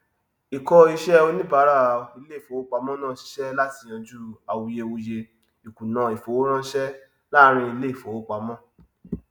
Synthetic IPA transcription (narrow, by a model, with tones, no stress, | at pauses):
i˨kɔ˧i˧ʃɛ˦o˧nĩ˦ba˨˦ɾa˦˨i˧le˦i˨fo˨˦o˦k͡pa˧˦mɔ̃˦nã˦˨ʃi̥˨˦ʃɛ˦la˦ti˨˧j̃ã˧d͡ʒu˦a˨wi˧je˧wo˧je˧ | i˨ku˨nã˧˦i˨fo˨˦ɾ̃ã˦ʃɛ˦ | la˦˧ɾ̃ĩ˧i˧le˦i˦˨fo˨o˦k͡pa˨˦mɔ̃˦